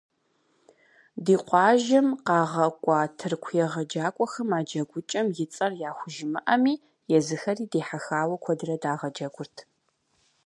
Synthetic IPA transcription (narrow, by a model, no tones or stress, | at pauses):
diːqʷɑːʒɪmqɑːʁɐkʷʼɑːtʰɨrkʷʰjɛʁɐd͡ʒaːkʷʼɔxɐmaːd͡ʒɐɡʷʊt͡ʃʼɐmjɪt͡sʼɐrjaːxʷʊʒɪmɨʔɐmiː | jɛzɨxɐriːdeːħaxaːwɐkʷʰɔdɨrɐdaːʁɐd͡ʒɐɡʷʊrtʰ